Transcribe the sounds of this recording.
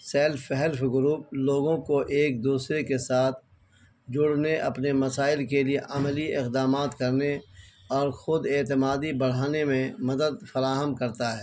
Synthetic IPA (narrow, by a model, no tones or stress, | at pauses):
sɛːlfɛɦɛlfɡʊɾuːp̚loːɡõkoʔeːk̚d̪uːsɾekesaːt̪ʰ | d͡ʒʊɽneʔɐpnemɐsaːɪlkelieʔɐmliɪqd̪aːmaːt̪kɐɾne | ɔːɾxʊd̪eːt̪ɪmaːd̪ibɐɽ̤aːnemẽmɐd̪əd̪fɐɾaːɦəmkɐɾt̪aɦɛː